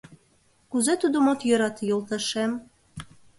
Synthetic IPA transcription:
kuzet̪ud̪omot̪jø̆ɾɑt̪jolt̪əʃem

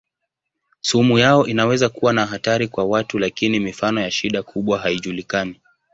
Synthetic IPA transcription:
sumujaɔʔinawɛzakuwanaɦataɾikwawatulakinimifanɔjaʃiɗakʰuɓwaɦaiʄulikani

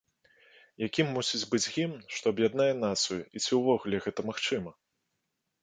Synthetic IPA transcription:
jakʲimːusʲid͡zʲbɨd͡zʲɣʲimʂt̪ɔɐbjad̪najɛnat̪sɨjuit͡sʲiwvɔɣulʲɛɣɛt̪ɐmaxt͡ʂɨmɐ

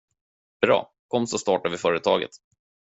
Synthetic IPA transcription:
b̥ɾɑ̰ː | kʰɔmːsɔst̪ɑːʈavɪfœːɾət̪ʰɑːɡə̰t̪

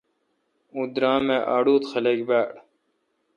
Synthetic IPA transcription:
ũːd̪ɾãːmẽːʔaːɽuːt̪xɐleɡbæːɽ

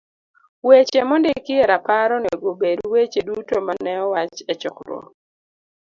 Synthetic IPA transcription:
wet͡ʃemɔndekɪɛɾapaɾɔnɛɡobedwet͡ʃedutomanɛɔwat͡ʃɛt͡ʃɔ̰kɾɔ̰

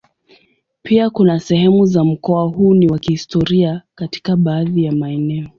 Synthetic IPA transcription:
piakunasɛhɛmuzam̩kɔahuːniwakihistɔɾiakati̥kaɓaːðijamaɛnɛɔ

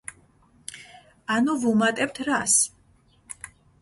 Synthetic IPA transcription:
anuvumat̪ʼɛp̚t̪ʰɾas

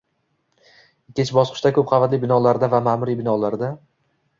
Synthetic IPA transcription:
ɪkʲːet͡ʃʰbɒsqʰɨ̥ʃt̪akʰɵp̚qʰɑvat̪lɪbɪnɒlaɾd̪avamamʊɾibɪnɒlaɾd̪a

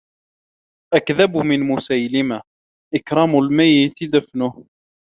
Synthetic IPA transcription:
ʔakðabmɪnmʊsajlɪma | ʔɪkɾˤɑmʊlmajːɪt̪ɪd̪afnʊh

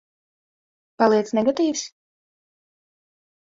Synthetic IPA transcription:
palˠiɛt̪snɛɡɔt̪iːvs

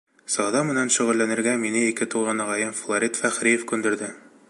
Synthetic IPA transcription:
sɒðɑmɘ̆nænʃɵ̆ʁɘ̆lːænɘ̆ɾɡæminɘikɘt̪uʁɑnɒʁɑjɤmflˠoɾʲit̪fæχɾijefkʉnd̪ɘ̆ɾd̪ɘ

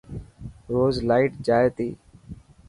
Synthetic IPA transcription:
ɾoːzlaːiːʈd͡ʒaːeːt̪iː

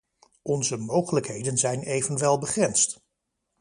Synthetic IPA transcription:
ʔɔnzəmowχələkɦejdənzɛjnejvənʋɛlˠbəχrɛnst

